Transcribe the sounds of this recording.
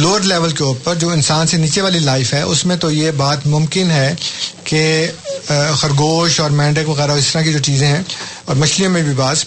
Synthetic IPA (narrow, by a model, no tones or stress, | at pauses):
loːɖlɛːʋəlkeoːɾpəɾd͡ʒoːɪnsaːnseniːt͡ʃeʋaːlilaːɪfɦɛːʔʊsmẽt̪ojebaːt̪mʊ̃mkɪnɦɛːke | xɐɾɡoːʃɔːɾmɛ̃ːɳɖəkʋɐɣɛːɾaɪst̪əɾãkid͡ʒoːt͡ʃiːzẽɦɛ̃ɔːɾmɐʃlijõmẽbʱibaːz